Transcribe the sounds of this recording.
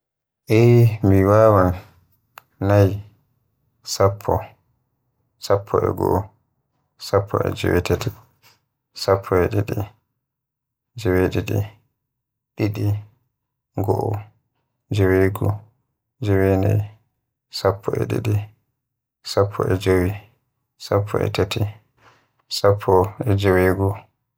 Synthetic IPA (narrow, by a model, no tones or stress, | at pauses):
ʔɛmiwaːwanː | aj | sapʰːɔ | sapʰːɔʔɛ̰ɡɔ̰ʔɔ | sapʰːɔɛ̰d͡ʒɛ̰wɛtɛtɛ | sapʰːɔɛɗiɗi | d͡ʒɛweɗɛɗɛ̰ | ɗiɗi | ɡɔʔɔ | d͡ʒeweɡu | d͡ʒewenɛj | sapʰːɔʔɛɗḭɗi | sapʰːɔ̰ʔɛd͡ʒowi | sapʰːɔ̰ɛ̰tatʰi | sapʰːɔɛd͡ʒeweːɡu